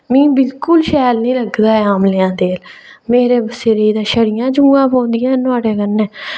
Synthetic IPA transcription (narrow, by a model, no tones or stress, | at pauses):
mĩːbɪlkʊlʃɛːlnĩːləɡd̪aːɛaːmleãːd̪eːlmeːɾeːbəsːeːɾeiːd̪ãːʃəɽɪjãːd͡ʒũːãːpõːnd̪ɪjãːnʊaːɽeːkənːẽː